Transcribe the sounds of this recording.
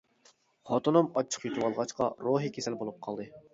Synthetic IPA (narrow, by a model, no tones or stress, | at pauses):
χɑt̪onɨmɑt͡ʃʰːə̥qjyt̪ʰɨwɑlˠʁɑt͡ʃqɑ̰ɾoɦikʲʰesɛlbolˠup̚qʰɑlˠd̪ɨ